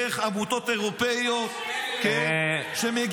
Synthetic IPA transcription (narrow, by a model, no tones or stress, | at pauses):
eχabut̪ot̪eʁopejot̪keʃemeɡ